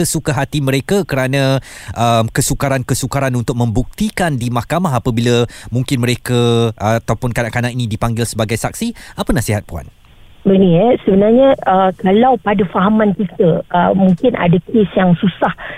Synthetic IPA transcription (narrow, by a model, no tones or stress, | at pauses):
əsukaɦat̪imə̃ɾekakəɾanãʔəmkəsukaɾankəsukaɾanunt̪ʊk̚mə̃mbuk̚t̪ikandimahkamaɦapəbilamũŋkɪnməɾekəat̪awpʊnkanaʔkanaʔkinĩdipaŋɡɪlsəbaɡajsak̚siapənasiɦat̪̚pua̰n | bəniɛsəbənarɲə̃əkalawpadafaɦamãnkit̪əəmuŋkɪnʔa̰dakesjaŋsusah